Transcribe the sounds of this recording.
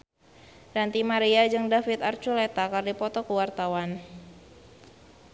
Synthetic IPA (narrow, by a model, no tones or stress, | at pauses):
ɾant̪imaɾiad͡ʒɨŋdafit̪art͡ʃulet̪akardipɔt̪ɔkuwart̪awan